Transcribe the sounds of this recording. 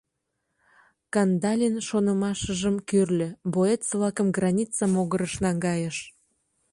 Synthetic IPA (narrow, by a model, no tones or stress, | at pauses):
kɑnd̪ɑlʲinʃonə̆mɑʃəʒəmkørlʲø̆boet̪səβlɑkəmɡrɑnʲit͡sɑmoɣəɾəʃnɑŋɡɑjəʃ